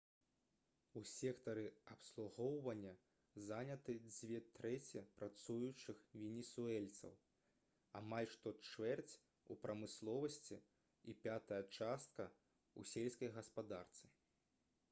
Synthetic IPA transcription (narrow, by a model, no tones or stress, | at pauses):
usʲɛkt̪ɐɾɨɐpslˠuɣɔwvɐnʲːɐ | zanʲɐt̪ɨd͡zʲvʲɛt̪ɾɛt͡sʲɛpɾat̪sujut͡ʂɨxvʲɛnʲɛsuɛlʲt̪sɐ̰w | a̰malʲʂt̪ɔt͡ʂvɛrt͡sʲ | upɾʔɐmɨslˠɔvɐsʲt͡sʲi | ipʲat̪ɐjɐt͡ʂast̪̚kɐ | usʲɛlʲsʲkɐjɣɐspad̪art̪sɨ